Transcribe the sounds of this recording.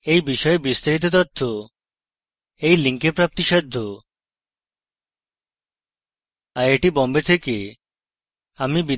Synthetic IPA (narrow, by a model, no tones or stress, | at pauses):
ejbiʃɔebist̪aɾit̪ot̪ɔt̪ʰːo | ejliŋkepɾap̚t̪iʃɔd̪ʱːo | aɾeʈibɔmbet̪ʰeke | amibi